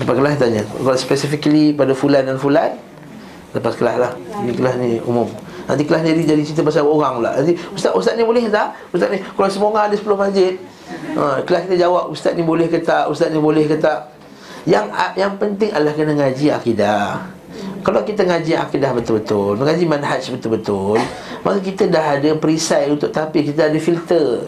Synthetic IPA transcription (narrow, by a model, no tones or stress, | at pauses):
ləpakəlanit̪̬aɲəkɔspɛsifikəlipadafulandanfulan | ləpaskəlahlahnikəlahniṵmʊm | na̰nt̪̬ikəlahniɾid͡ʒadit͡ʃit̪̬əbas̬aoɣaŋla̰ʔnant̪̬iust̪aʔ̪ust̪at̪̚nibolɛhət̪aʔ | ust̪at̪̚nikalasəmoŋaːdəsəpəlʊhmad͡ʒɪt̪̚ | ʔə̃kəlahkit̪əd͡ʒawap̚ust̪at̪̚nibolɛhkət̪aʔust̪at̪̚nibolɛhkət̪aʔ | jaŋajaŋpənt̪ɪŋadlahkənəŋad͡ʒia̰kidah | kalawkit̪əŋad͡ʒia̰kidahbət̪ʊlbət̪ʊlməŋad͡ʒimanɦat͡ʃbət̪ʊlbət̪ʊl | makakit̪ədaɦadəpɾisajunt̪ʊʔ̚t̪apikit̪̬əadəfilt̪ə